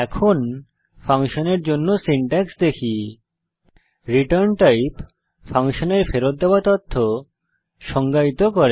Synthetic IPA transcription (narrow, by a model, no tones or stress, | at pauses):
ɛkʰon | faŋʃoneɾd͡ʑonːosiɳʈɛksd̪ekʰi | ɾiʈaɾnʈajp | faŋʃoneɾfeɾot̪̚d̪eoat̪ɔt̪ʰːo | ʃɔŋɡait̪okɔɾe